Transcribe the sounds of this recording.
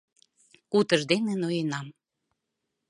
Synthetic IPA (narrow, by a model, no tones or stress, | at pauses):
kut̪əʒd̪enenojenɑm